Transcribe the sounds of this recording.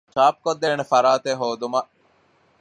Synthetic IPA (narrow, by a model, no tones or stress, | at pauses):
t͡ʃaːp̚kod̪ːeːnefɐɾaːt̪eɦoːd̪umɐʔ